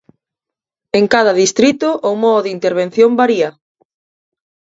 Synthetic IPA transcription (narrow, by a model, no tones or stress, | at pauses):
eŋkaðɐðist̪ɾit̪ʊʔʊmɔðint̪eɾβ̞en̟θjombaɾiɐ